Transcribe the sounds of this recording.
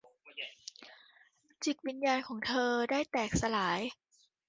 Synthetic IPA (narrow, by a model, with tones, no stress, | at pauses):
t͡ɕi˨˩k̚wi˧njaː˧nkʰɔː˩˦ŋt̪ʰɤː˧daː˥˩jt̪ɛː˨˩k̚sa˧laː˩˦j